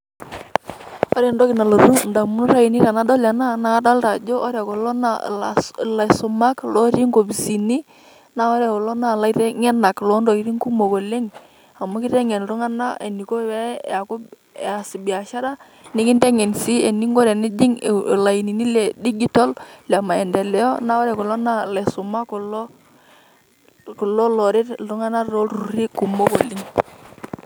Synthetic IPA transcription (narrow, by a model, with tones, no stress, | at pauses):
ɔ˦ɾɛ˨ndɔ˦kɪ˨na˨lo˨ɾu˦nda˨mu˦n˦ɾa˦ji˨ni˦ɾa˨na˦dɔ˦la˨na˦na˨˦da˦lta˨d͡ʒo˦ʔɔ˦ɾa˨ko˨lo˦na˦ | la˨sʊ˨ma˦klɔ˦ɾi˦ŋɡo˨bi˨si˨ni˦ | na˦ɔ˦ɾja˨kɔ˨lo˦na˨la˦i˦ɾɛ˦ŋɛ˦na˨klɔ˦ndo˨ki˦ɾi˦ŋku˦mo˨ko˨le˦ŋ | a˨mɔ˦kɪ˦ɾɛ˦ŋɛ˨n˨ɾu˦ŋa˦na˦ḛ˨ni˨ko˦wɛ˦a˨ko˦˨ | a˨si˨bi˨a˨ʃa˦ɾa˦ | nɪ˦kɪ˦ndɛ˦ŋɛ˨nsi˦e˨ni˦ŋɡo˦ɾɛ˨nɪ˦d͡ʒɪ˦ŋ˨la˨i˨ni˨ni˦lɛ˨di˦ɡi˦tɔ˦lla˨ma˨ɛ˨ndɛ˨lɛ˦jɔ˦na˦wa˦ɾɛ˨kɔ˨lɔ˦na˦˨lɛ˨sʊ˨ma˦kɔ˨lɔ˦ | ku˨lɔ˦lɔ˨ɾɪ˦tʊ˦ŋa˦na˦ɾo˦ɾu˨ɾi˦ku˨mo˦ko˨lɪ˦ŋ